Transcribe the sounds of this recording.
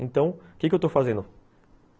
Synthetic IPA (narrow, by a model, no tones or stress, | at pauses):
ẽnt̪ɐ̃w̃kɪkɪewt̪owfazẽnd̪ʊ